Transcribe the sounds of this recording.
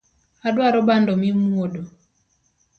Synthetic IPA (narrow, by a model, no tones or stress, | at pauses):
adwaɾɔbandɔmimuodo